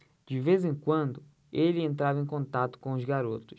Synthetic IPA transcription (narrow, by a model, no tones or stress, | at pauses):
d͡ʒɪvezẽŋkwɐ̃nd̪ʊ | elɪẽnt̪ɾavɐẽj̃kõnt̪at̪ʊ̥kõʊzɡaɾot̪ʊs